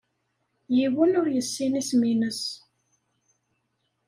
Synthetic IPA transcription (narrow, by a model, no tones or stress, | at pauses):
jiwənʊɾjəsːinisminəs